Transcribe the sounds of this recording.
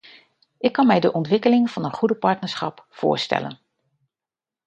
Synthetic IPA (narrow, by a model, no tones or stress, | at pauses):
ʔɪkːɑnmɛjdəʔɔntʋɪkəlɪŋv̥ɑnənχudəpɑɹtnəɹsχɑpfʊ̰ːɹstɛ̰lə̰n